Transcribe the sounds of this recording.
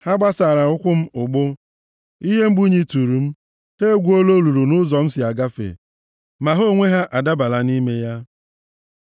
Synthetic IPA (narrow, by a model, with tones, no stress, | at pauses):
ha˦ɡ͡ba˦sa˨ɾa˨ʊ˦kʷʊ˦m̩˦ʊ˨ɡ͡bʊ˦ | i˦ɦe˦m̩˦ɡ͡bu˦ɲi˦tu˨ɾu˨m̩˦ | he˦ɡʷu˨˦o˦lo˦lu˨ɾu˨nʊ˦zɔ˨m̩˦sɪ˨a˨ɡa˦fḛ˨ | ma˨ɦo˦ŋʷe˦ɦa˦ʔa˨da˦ba˨la˨ni˦me˦ja˦